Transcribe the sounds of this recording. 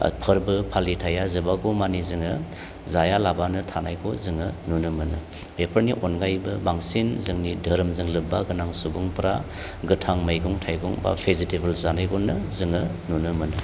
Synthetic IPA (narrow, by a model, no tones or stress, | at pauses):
pʰɯɾbɯpʰalitʰajazɯbaɡɔmanizɯŋɯ | zajalabanɯtʰanajkʰɔzɯŋɯnunɯmɯnɯ | bepʰəɾniʔɔnɡajbɯbaŋsinzɯŋnidʱəɾmzɯŋlɯbaɡɯnaŋsubɯŋpʰɾa | ɡɯtʰaŋmajɡɔŋtʰajɡɔŋba̰pʰezitibɯlzanajɡɔnːɯzɯŋɯnunɯmɯnɯ